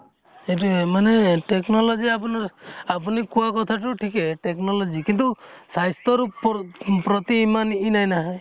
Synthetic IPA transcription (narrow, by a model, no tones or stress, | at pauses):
eʈ̬umaneʈeknɔlɔd͡ʒiapunɔapunikuakɔt̪ʰaʈ̬uʈʰikeʈeknɔlɔd͡ʒikint̪usajst̪ɔɾu | pɾɔt̪iːmaninajnaɦaj